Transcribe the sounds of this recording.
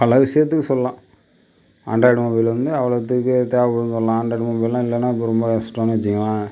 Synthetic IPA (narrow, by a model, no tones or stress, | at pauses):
pɐlɐʋɪʂɐjɐt̪̬ːɯkːɯsɔlɐlãː | aːɳɖaːɽmobɪjlɪɾɯnd̪ɯɐʋɐɭɐɐt̪̬ːɯkːɯt̪eːʋɐpɔɽɯnsɔlːɐlãːɐːɳɖɐːɽmoːbɪjlãːɪlːɐnːãːɪp̬ːɐɾɔmbɐsʈɾaːnt͡ʃːɪŋɡɐlãː